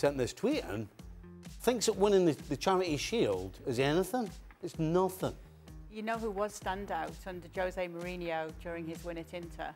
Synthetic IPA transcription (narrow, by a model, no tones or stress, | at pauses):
sɛ̃nðɪstʰw̥iʔə̰̃n | θɪ̃ŋksðəʔ̚wɪ̃ñɪ̃nðɨðɨt͡ʃʰaɹɨʔi̥ʃilˠdɨzɛnɪθɪ̃ŋ | ɨtsnʌθɪ̃ŋ | jənoʊhuwʌz̥stãndaʊtʰʌ̃ndəd͡ʒoʊzeɪməɹĩːnioʊd͡ʒjɔːɹɪ̃ŋɪzwɪ̃nɪtɪ̃ntʰə̰